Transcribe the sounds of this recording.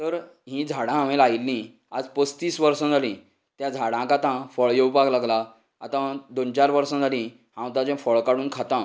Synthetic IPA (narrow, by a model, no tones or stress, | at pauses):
t̪əɾ | ɦĩd͡zʱaɽãamelajlːĩ | ad͡zpəst̪iːsʋəɾsə̃d͡zʱalĩ | t̪jãd͡zʱaɽãkat̪ãfəɭjewpaklaɡla | at̪ãd̪ont͡ɕaɾʋəɾsə̃d͡zʱalĩ | hãwt̪ãd͡ʑɛ̃fəɭkaɽuːnkʰat̪ã